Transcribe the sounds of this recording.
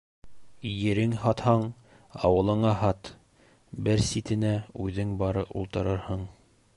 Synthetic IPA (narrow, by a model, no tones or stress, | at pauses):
jɘ̆ɾɘŋhɒt̪hɑɴ | ɑ̰wɤ̆lˠɤ̆ɴɑɦɑt̪ | bɘɾsit̪ɘ̆næʉðɘŋbɑɾɤpṵlˠt̪ɤ̆ɾɤɾhɤɴ